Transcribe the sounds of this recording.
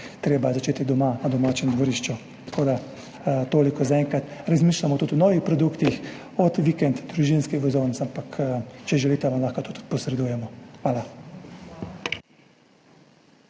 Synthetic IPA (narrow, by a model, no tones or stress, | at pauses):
t̪ɾeːbazat͡ʃeːt̪id̪ɔmanad̪ɔmaːt͡ʃɛmd̪ʋɔɾiːʃt͡ʃu | t̪ḁkʰoːd̪a | t̪oːlikɔzaɛŋkɾat̪ɾazmiːʃlamɔt̪ut̪unɔːʋixpɾɔd̪ukt̪ix | ɔt̪ʋikɛnt̪d̪ɾuʒinskixʋɛzoːnsampakt͡ʃɛʒɛliːt̪ɛʋamlaːxkat̪ut̪u̥t̪pɔsɾɛd̪ujɛmɔxʋaːla